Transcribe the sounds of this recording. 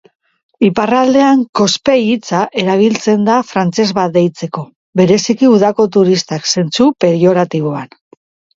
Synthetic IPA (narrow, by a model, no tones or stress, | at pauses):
iparald̪e̞aŋko̞spe̞jit͡saʔe̞ɾaβ̞ilt͡se̞nd̪afɾant͡se̞zβad̪ejt͡se̞ko̞ | βe̞ɾe̞sikiuðako̞t̪uɾist̪akse̞nt͡supe̞ɾio̞ɾat̪iβ̞o̞an